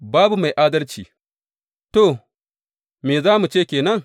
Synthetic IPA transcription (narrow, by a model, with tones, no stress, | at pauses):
baː˦bu˨ma˨jʔaː˦dɐ˦lt͡ʃiː˨ | to˨ | meː˨zaː˦mu˨t͡ʃeː˦˨kʲeː˨nɐ˦ŋ